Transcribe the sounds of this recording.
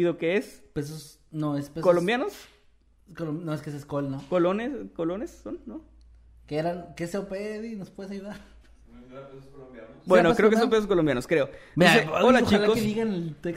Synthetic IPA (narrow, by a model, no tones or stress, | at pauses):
iðokeespes̬os | noespekolombjanos | kolomnoeskeseskolnokoloneskolonesːonːo | keeɾaŋkeseopeðinospweðes̬ajuðaɾ | peskolombjabwenokkɾeokesompes̬oskolombjanoskɾeonoseaɣolat͡ʃikoseðiɣanelt̪ek